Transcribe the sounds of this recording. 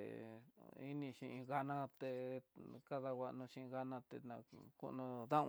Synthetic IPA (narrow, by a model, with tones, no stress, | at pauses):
i˦nĩ˧ʃĩ˧ʔĩ˧ɣa˧nã˦t̪e˧ka˦ða˧wʷa˧ʔnũ˧ʃĩ˧ɣa˧nã˧t̪e˧nã˧kṵ˧nũ˧ðã˦˧